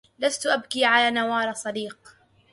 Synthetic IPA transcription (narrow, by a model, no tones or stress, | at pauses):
last̪ʊʔabkiːʕalaːnawɑːɾˤɑsˤɑd̪iːq